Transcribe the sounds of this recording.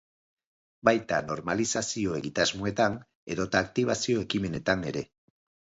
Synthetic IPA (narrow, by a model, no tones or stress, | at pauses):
bajt̪a̰no̞ɾmalisasio̞e̞ɣit̪azmoet̪an | e̞ðo̞t̪aːk̚t̪iβ̞asio̞e̞kime̞ne̞t̪ane̞ɾe̞